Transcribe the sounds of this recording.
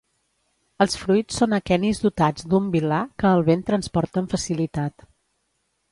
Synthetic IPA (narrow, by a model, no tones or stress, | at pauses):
əlˠsfɾujt͡ssːonəkɛnizd̪ut̪ad͡zd̪umbilakəːlˠβent̪ɾənspɔɾt̪əːɱfəsilit̪at̪